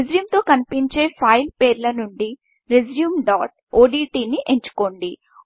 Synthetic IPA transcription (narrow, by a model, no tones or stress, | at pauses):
ezɾjuːmt̪o̞ːkɐnipiɲt͡ʃe̞ːpʰɐjlpeːɾlɐnuɳɖi | ɾed͡ʒjuːmɖaːʈ̚ | oːɖiːʈiːniʔeɲt͡ʃu̥ko̞ːɳɖi